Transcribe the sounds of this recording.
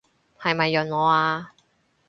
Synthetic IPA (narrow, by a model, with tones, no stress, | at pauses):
hɐ˨jmɐ˨jːɵ˨˩nŋɔː˨˧aː˧